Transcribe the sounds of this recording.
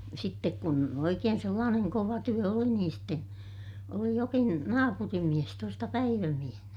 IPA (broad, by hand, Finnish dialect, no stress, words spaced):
sitːek kun oikeːn selːɑːneŋ koʋɑ tyø oli niːn ste oli jokin nɑːpurimːies tuostɑ pæiʋæmiehnæ